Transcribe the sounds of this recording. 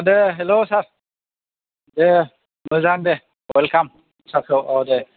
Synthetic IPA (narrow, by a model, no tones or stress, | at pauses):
d̪eɦelosaɾ | d̪e | məzaŋd̪e | welkam | saɾkʰɯwawd̪e